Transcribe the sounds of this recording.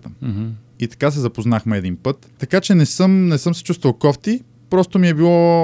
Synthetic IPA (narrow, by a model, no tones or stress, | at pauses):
t̪ə | it̪ɐ̥kas̬ɛzɐpoznaxmɛɛd̪inpɤt̪ːɐkat͡ʃɛnɛsɤmnɛsɤmsɛ̥t͡ʃust̪vɐlˠkɔft̪i | pɾɔst̪omiɛbilˠɔ